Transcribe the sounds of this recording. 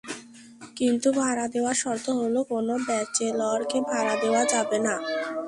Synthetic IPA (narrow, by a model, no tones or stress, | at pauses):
kint̪ubʱaɾad̪eoaɾʃɔɾt̪ʰoɦolokonobɛt͡ɕelɔɾkebʱaɾad̪eoad͡ʑabena